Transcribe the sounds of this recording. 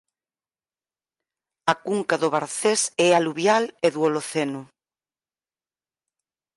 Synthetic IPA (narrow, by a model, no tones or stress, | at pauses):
ɐkuŋkaðʊβaɾθesɛaluβjaleðwoloθenʊ